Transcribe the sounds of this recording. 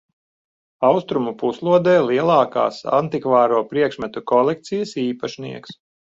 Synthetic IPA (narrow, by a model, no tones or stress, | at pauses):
awst̪ɾumupuslˠuɔd̪ɛːlˠiɛlˠɑːka̰ːsa̰nt̪ikvaːɾuɔpɾiɛkʃmɛt̪ukɔlˠɛk̚t̪sijɐsiːpaʃnḭɛks